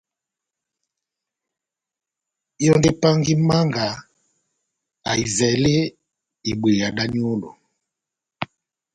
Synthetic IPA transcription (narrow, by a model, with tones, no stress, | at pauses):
ɔ˦nde˦pa˦ŋɡi˦ma˦ŋɡa˨ | a˨i˨zɛ˨le˦ | i˨ɓwe˨ja˨ɗa˦ɲ˦o˦lo̰˨